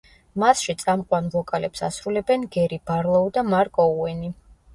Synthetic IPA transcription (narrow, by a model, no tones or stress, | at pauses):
masʃit̪sʼamqʼwanvɔkʼalɛpsa̰sɾulɛbɛnɡɛɾibaɾlˠɔud̪amaɾkʼɔuɛni